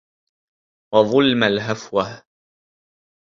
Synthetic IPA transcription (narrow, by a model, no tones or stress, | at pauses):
wɑðˤʊlmalɦafwah